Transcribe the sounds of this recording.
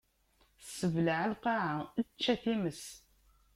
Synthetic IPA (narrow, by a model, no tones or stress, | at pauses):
səvləʕalqɑʕaət͡ʃːæθiməs